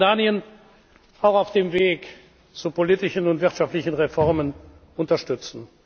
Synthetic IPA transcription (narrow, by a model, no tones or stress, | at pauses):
daːniən | ʔaʊxaʊfd̥eːmveːk | t͡supoliːtɪʃnʊntv̥ɪʁtʃaftlɪçn̩ʁefɔʁmən | ʔʊntɐʃtʏt͡sn̩